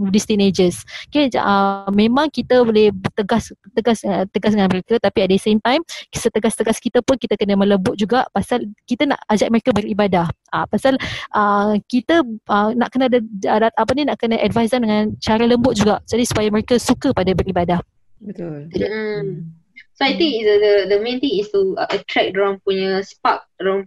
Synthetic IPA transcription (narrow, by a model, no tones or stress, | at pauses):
dist̪ined͡ʒəskeəmẽmãŋkit̪əbolɛht̪əɡast̪əɡast̪əɡasdəŋanməɾekət̪apiɛt̪̚dəsemt̪ajmsət̪əɡast̪əɡaskit̪əpʊnkit̪əkənəmə̃ləmbʊt̪̚d͡ʒuɡaʔpasalkit̪əna̰ʔad͡ʒak̚məɾekəbəɾibadahʔapasalʔəkit̪əənaʔkənadəədat̪̚ʔapəninaʔkənaʔɛdvajzardəŋãnt͡ʃaɾaləmbʊt̪̚d͡ʒuɡaʔd͡ʒadisu̥pajaməɾekəsukəpadabəɾibadah | bət̪uldi | soajt̪ĩŋisdəd̪əmẽnt̪ĩŋist̪uəʔət̪ɾɛk̚doɾãŋpuɲəspak̚ɾaŋ